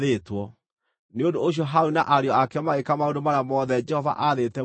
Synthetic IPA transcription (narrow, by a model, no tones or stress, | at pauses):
etwɔ | neondooɕ̬iɔɦaunaʔaɾeɔakɛmaekamaondomaɾamɔðɛd͡ʒɛhɔva̰ʔaðetɛ